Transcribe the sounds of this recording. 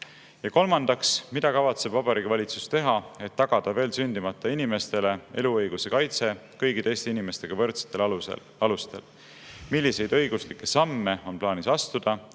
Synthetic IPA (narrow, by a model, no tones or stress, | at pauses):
jɑko̞lmɑnd̪̥ɑksmid̪̥ɑkɑvɑt̪se̞b̥vɑb̥ɑɾiːɡ̥ivɑlʲit̪su̥st̪e̞ɦɑe̞t̪ːɑɡ̥ɑd̪̥ɑve̞ːlsynʲd̪̥imɑt̪ˑːɑinime̞st̪e̞le̞e̞̰luɤjɡ̥use̞kɑjt̪se̞kɤjɡit̪e̞jst̪einime̞st̪e̞ɡ̥ɑvɤrt̪se̥t̪ːˑe̞l̰ | ɑlust̪e̞̰l | milʲːise̞jd̪ɤ̞jɡ̥uslikːˑe̞sɑmːe̞o̞nplɑːnisɑst̪ud̪̥ɑ